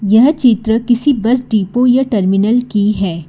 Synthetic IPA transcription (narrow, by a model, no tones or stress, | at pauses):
jɐɦt͡ʃɪt̪ɾəkɪsibɐsɖiːpojɐʈɐɾmɪnəlkiɦɛː